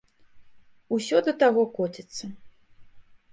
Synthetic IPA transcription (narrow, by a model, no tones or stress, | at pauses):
usʲɔd̪ɐt̪aɣɔkɔt͡sʲɛt̪sːɐ